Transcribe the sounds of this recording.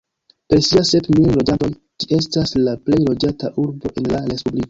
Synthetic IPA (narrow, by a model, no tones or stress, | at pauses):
pe̞ɾsiase̞pmillo̞d͡ʒanto̞j | d͡ʒie̞s̬taslaple̞jlo̞d͡ʒataʔuɾbo̞ʔe̞nlaɾe̞spubliko